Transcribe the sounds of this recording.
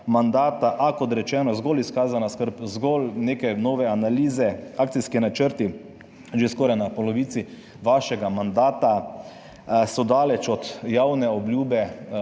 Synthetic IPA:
mand̪aːt̪aʔakɔt̪ɾɛt͡ʃɛːnɔzɡoliskaːzanaskəɾpzɡɔlneːkɛnɔːʋɛanaliːzɛaːkt̪siskinat͡ʃəɾt̪i | ʒeskɔːɾajnapɔlɔʋiːt̪si | ʋaʃɛɡamand̪aːt̪a | sɔd̪aːlɛt͡ʃɔt̪jawnɛɔbljuːbɛ

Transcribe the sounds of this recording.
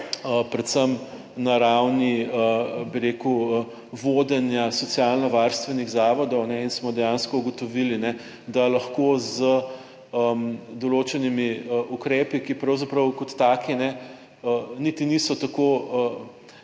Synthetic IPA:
əpɾɛt̪səm | naɾawniəbiɾeːkuə | ʋoːd̪ɛnjasɔt̪sijalnɔʋaɾst̪ʋɛniɣzaːʋɔd̪ɔwnɛinsmɔd̪ɛjaːnskɔuɡɔt̪ɔʋilinɛ | d̪alɐxkozə | əmd̪ɔloːt͡ʃɛnimiəʔukɾeːpikipɾɐwzapɾɐwkɔt̪ːaːkinɛ | ənit̪inisɔt̪akoə

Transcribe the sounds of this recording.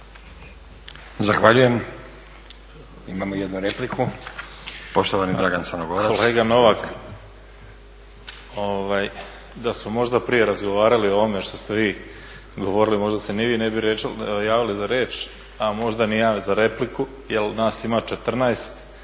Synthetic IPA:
zaxʋaʎuje̞m | imaːmojed̪nuɾeplikʰu | po̞ʃt̪oʋanid̪ɾaɡant̪sanoɡokɾaoleːɡano̞ʋak | oʋaj | d̪asmomo̞ʒd̪apɾije̞ɾazɡo̞ʋaːɾalio̞ʋo̞me̞ʃt̪o̞st̪e̞ʋiː | ɡo̞ʋo̞ɾilimo̞ʒd̪aseniʋiːnebiɾejaːʋilizaɾeːt͡ʃ | amo̞ʒd̪anijaːzaɾe̞pliku | jelnaːsimat͡ʃe̞t̪r̩naest̪

